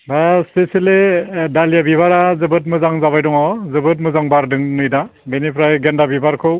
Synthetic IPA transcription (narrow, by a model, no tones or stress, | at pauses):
aseseledalijabibaɾazɯbɯt̬̚mɯzaŋzaβajdɔŋɔzɯbɯt̬̚mɯzaŋbaɾdɯŋnɯjdabenipʰɾajɡendabibaɾkʰɯw